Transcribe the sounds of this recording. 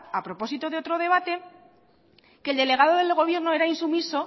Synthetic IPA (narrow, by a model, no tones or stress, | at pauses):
apɾo̞po̞sit̪oðeo̞t̪ɾo̞ð̞e̞β̞at̪e̞ | ke̞ld̪e̞le̞ɣað̞o̞ðelɣo̞β̞je̞ɾno̞eɾainsumiso̞